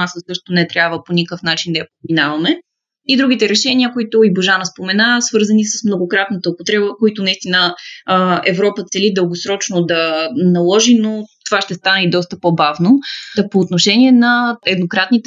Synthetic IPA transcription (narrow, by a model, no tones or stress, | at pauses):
asəsɤʃt̪onɛt̪ɾʲjabvəponʲikəfnat͡ʃind̪ɐjɐpeminavɐmɛ | id̪ɾuɡit̪ɛɾɛʃɛnʲiəkoit̪ʊiboʒanɐspomɛnasvɤɾzənisəsmnoɡokɾat̪nət̪əopot̪ɾɛbəkoit̪ʊnɐist̪inə | ɛvɾɔpət̪sɛlid̪əlˠɡosɾɔt͡ʃnod̪ɐnɐlˠɔʒinot̪ovaʃt̪ɛst̪anɛid̪ɔst̪əpobavnopoːt̪noʃɛniɛnɐɛd̪nokɾat̪nit̪ɛ